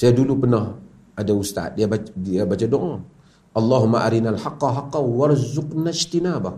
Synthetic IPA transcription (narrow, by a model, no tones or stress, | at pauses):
sajdulupəna | adawustaa̰ɗijabaabat͡ʃadoŋo | ʔalːaɦumːaʔa̰ɾinalħaqːaɦaqːawaɾzuknaʃtinaba